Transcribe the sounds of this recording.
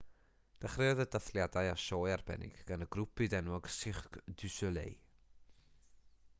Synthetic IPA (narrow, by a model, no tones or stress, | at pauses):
d̥aχrɪɔðədaθlˠjadajaʃoːjarbɛ̰nɪ̰ɡ̥ɡ̥anəɡɾʊpɨdɛnwɔɡ̥sɪχkd̥ʉsɔlˠḛj